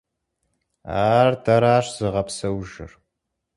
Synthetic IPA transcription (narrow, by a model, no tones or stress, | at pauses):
aːrdʰɐɾaːʂz̥ɨʁɐpsɐwʒɪ̰r